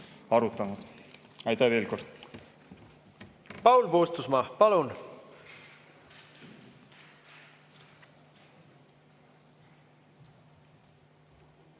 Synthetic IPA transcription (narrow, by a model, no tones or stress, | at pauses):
ɑɾut̪ˑːɑnud̪̥ | ɑjt̪æve̞ːlko̞rd̪̥ | pɑwlpoːst̪usmɑpɑlun